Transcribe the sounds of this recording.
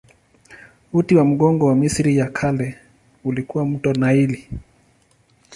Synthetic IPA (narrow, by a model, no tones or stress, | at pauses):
utiwam̩ɡɔŋɡɔwamisɾijakʰalɛ | ulikuwam̩tɔnaili